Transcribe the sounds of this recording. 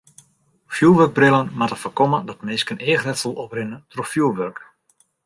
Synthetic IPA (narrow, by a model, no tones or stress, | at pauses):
fjuəʋørk̚brɪlˠənmatəfərkɔmədɔtmɪskəneːəxtɛtsolˠɔprɪnətrofjuːʋørk